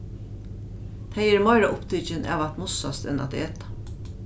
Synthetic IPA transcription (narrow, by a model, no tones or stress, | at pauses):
t̪ʰæɪæɾmɑɪɾaʔʊpt̪ʰʏt͡ʃənʔɑ̰ːʋɑt̪mʊsɑ̰st̪ɛ̰nɑ̰t̪d̪̰ɛt̪ɑ̥